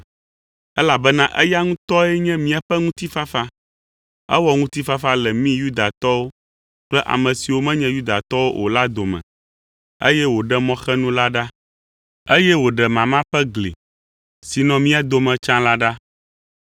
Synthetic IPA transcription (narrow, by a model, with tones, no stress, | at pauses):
ɛ˦la˨bɛ˦nã˦ʔɛ˦ja˦ŋũ˦t̪ɔ˦ɛ˦ɲɛ̃˦mĩ˦a˨ɸɛ˦ŋũ˦t̪i˦fa˦fa˦ | ɛ̰˦wɔ˦ŋũ˦t̪i˦fa˦fa˦lɛ˨mĩ˦ju˦d̪a˨t̪ɔ˦wo˦ | k͡plɛ˦ʔa̰˨mɛ̃˨si˨wo˦mɛ̃˦ɲɛ̃˦ju˦d̪a˨t̪ɔ˦wo˦ʔo̰˨la˦d̪o˨mɛ̰̃˨ | ḛ˦jɛ˦wo˨ɖɛ˦mɔ̃˦xɛ˦nũ˦la˦ɖa˦ | e˦jɛ˦wo˨ɖɛ˨mã˨mã˦ɸɛ˦ɡlḭ˨ | si˨nɔ̃˨mĩ˦a˨d̪o˨mɛ̃˨t͡ʃã˦la˦ɖa˦